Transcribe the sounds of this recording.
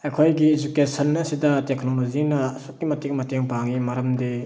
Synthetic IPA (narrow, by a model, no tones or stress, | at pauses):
ɐjkʰojɡied͡ʒukesɐnɐsidɐteknolozinɐsuk̚kːimɐtek̚mɐteŋpaŋimaɾɐmde